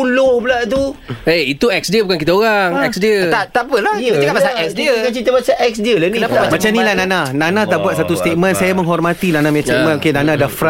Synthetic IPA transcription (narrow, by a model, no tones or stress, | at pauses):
ulohbulaʔt̪̬ueit̪uɛk̚sdəbukankit̪aoɣaŋɛsdət̪aʔt̪aʔpəlat̪kabasaʔɛksdiəat͡ʃit̪əbat͡ʃaʔɛk̚sdiəlanĩapamamat͡ʃamnilahnananãnãt̪aʔbuat̪̚sat̪ust̪et̪̚mə̃nsajaməŋɦɔrmat̪inanamɛ̃st̪ɛmə̃nokenanãdahfɾa